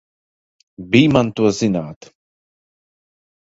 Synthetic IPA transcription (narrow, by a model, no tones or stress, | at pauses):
biːmant̪uɔzinaːt̪